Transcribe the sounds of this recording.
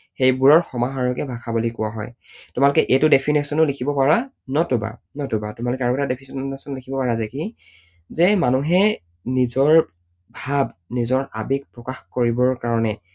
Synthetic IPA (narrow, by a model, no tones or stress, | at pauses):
xejbuɹɔɹxɔmaɦaɹɔkɛbʱakʰabulikʊwaɦɔ̰j | tʊmalʊkɛʔetʊdepʰinesɔnʊlikʰibɔpaɹa | nɔtʊba̰nɔtʊba̰tʊmalʊkɛaɹɔtadepʰisɔnsɔnlikʰibɔpaɹazɛki | zɛmanuɦɛ | nizɔɹ | bʱabnizɔɹa̰bik̚pɹɔkaxkoɹibɔɹkaɹɔnɛ